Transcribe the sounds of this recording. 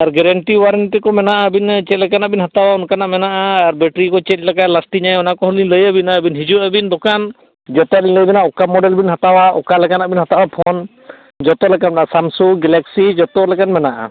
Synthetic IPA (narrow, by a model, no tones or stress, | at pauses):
aɾɡɛɾɛɳʈiwaɾənʈɛkɔmɛnaʔaəbint͡ʃɛt̪̚lɛkanaʔbinhat̪awaunkanaʔmɛnaʔaːɾbɛʈɾikɔt͡ʃɛt̪̚lakalasʈiɲajɔnakɔɦuliləjabinaəbinɦid͡ʒuabind̪ɔkan | d͡ʒɔt̪ɔiləjbɛnaʔɔkamɔɖɛlbinɦat̪awaʔɔkalɛkanaʔbinhat̪awapʰɔn | d͡ʒɔt̪ɔlɛkanɛnasamsuɡɛlɛksid͡ʒɔt̪ɔlɛkanmɛnaʔa̰